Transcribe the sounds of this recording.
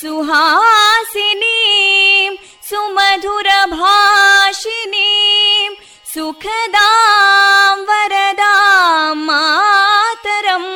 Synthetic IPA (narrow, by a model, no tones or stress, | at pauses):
suɦaːsini | m | sumɐd̪ʱuɾɐbʱaːʃinim | sukʰɐd̪aː | mʋɐɾɐd̪aːmːaːt̪ɐɾɐm